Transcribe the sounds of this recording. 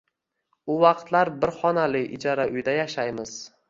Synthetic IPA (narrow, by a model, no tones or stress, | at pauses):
ʊvɑqt̪laɾbɪɾχɒnalɪʔɪd͡ʒaɾaʔʊjd̪ajaʃajmɪz̥